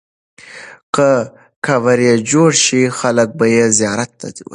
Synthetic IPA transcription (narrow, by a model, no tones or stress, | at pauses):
qə | kʰawaɾjed͡ʒoɽʃixalək̚bajezijɑɾat̪ːa̰d̪iw̰